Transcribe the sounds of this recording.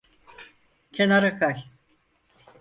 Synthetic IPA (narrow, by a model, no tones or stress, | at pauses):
cʲʰenaɾakʰaj